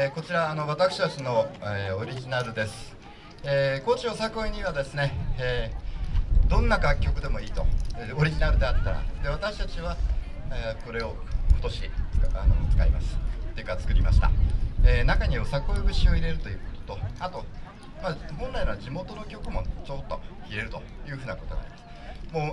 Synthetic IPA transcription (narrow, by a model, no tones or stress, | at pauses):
eko̞t͡ɕiɾaːno̞β̞at̪akɯ̥ɕi̥t̪at͡ɕino̞eoɾʲiʑinaɾɯ̟d̪e̞sɨ̥ | eːko̞t͡ɕiosakɯoeɲ̟iβ̞ad̪e̞sɨne̞ | d̪õ̞nːaɡakʲːo̞kɯ̟d̪e̞mo̞iːt̪o̞̰o̞ɾʲiʑinaɾɯ̟d̪e̞at̪ːaɾa̰d̪e̞βat̪akɕi̥t̪at͡ɕiβa | ko̞ɾe̞o̞ | ko̞t̪o̞ɕi̥ano̰t͡sɨ̥kaima̰sɨ̥t̪ːekːat͡sɨ̥kɯ̟ɾʲimaɕi̥t̪a̰eːnakaɲ̟iosakɯoebɯ̟ɕio̞iɾe̞ɾɯ̟t̪o̞jɯ̟ːko̥t̪o̥t̪o̞at̪o̞ | mahõ̞nɾaiad͡ʑimo̞t̪o̞no̞kʲo̞kɯ̟mo̞̰t͡ɕo̞t̪ːo̞̰çiɾe̞ɾɯ̟t̪o̞jɯ̟ːɸɯ̟ːnako̞t̪oɡ̪a̰imasɨ̥moː